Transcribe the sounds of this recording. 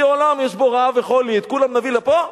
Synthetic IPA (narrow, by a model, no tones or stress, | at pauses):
eolamjɛʃboʁaveχolit̪kulamnavilapo